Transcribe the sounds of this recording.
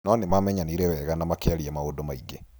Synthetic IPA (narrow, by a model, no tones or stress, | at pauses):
nɔnemamɛɲaniɾɛwɛɣanamakeaɾiamaodomaiɡe